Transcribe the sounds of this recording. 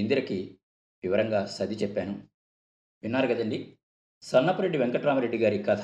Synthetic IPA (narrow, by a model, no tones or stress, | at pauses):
ind̪iɾɐki | ʋiʋɐɾɐŋɡaːsɐd̪it͡ʃɛpːaːnu | ʋinːaːɾuɡɐd̪ɐɳɖi | sɐnnːɐpɐɾeɖːiʋeŋkɐʈɾaːmɐɾe̞ɖːiɡaːɾikːɐt̪ʰ